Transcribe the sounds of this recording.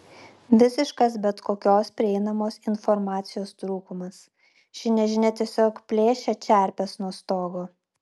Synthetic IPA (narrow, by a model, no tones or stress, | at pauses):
ʋʲɪsʲɪʃkɐsbʲɛt̪koːkʲoːspʲɾʲɪɛɪnɐmoːsɪnfɔɾmɑːt̪sʲɪjoːst̪ɾuːkʊmɐs | ʃʲɪnʲɛʒʲɪnʲɛt̪ʲiɛsʲoːkpʲlʲeːʃʲɛt͡ʃʲæˑɾʲpʲɛsnuɔst̪oːɡoː